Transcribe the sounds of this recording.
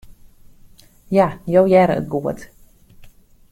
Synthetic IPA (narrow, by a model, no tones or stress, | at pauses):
jajowjɛɾəə̰t̚ɡuət